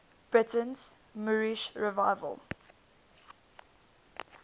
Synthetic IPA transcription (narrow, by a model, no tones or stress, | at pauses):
b̥ɹɪtə̃nz̥ | muɹiʃɹɛvaɪvə̰lˠ